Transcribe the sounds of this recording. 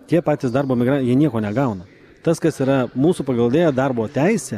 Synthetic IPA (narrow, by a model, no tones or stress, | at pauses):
t̪ʲiɛpɑːt̪ʲɪsd̪ɐɾboːmʲɪɡɾɐnjiɛnʲiɛkoːnʲɛɡɐʊnɐ | t̪ɐskɐsiːɾɐmuːsupɐɡɐlˠd̪ʲeːjoːd̪ɐrboːt̪ʲɛɪsʲɛ